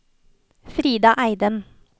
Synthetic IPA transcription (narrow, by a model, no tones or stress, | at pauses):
fɾiːd̪ɑʔæɪd̪ən